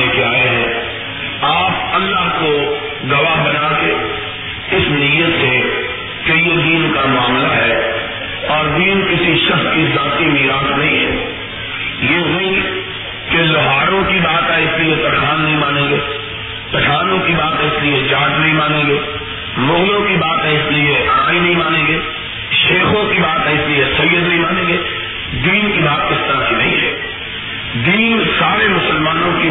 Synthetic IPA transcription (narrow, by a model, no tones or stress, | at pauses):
ekeaːeɦɛ̃ː | aːp̚ɐlːaɦko | ɡɐʋaɦbɐnaːke | ɪsnijət̪se | keijed̪iːnkamʊaːmlaɦɛː | ɔːɾbiːnkɪsiʃɐxskizaːt̪imiːɾaːt̪nɐɦĩɦɛ̰ː | jeːɦoĩ | kelʊɦaːɾõkibaːt̪aɪsliet̪ɐʈaːnːɐɦĩmaːnẽːɡeː | pɐʈʰaːnõkibaːt̪ɦɛɪslɪed͡ʒaːd͡ʒnĩmaːnẽːɡeː | mõːjõkibaːt̪ɦɛɪslieʔɐɽ̃aːĩnɐɦĩmaːnẽːɡeː | ʃeːxõkibaːt̪ɦɛɪslijesɐjːəd̪nĩmaːnẽːŋɡeː | d̪iːnkibaːt̪̚kɪst̪əɾəfinɐɦĩɦɛ̰ː | d̪iːnsaːɾemʊsəlmaːnõki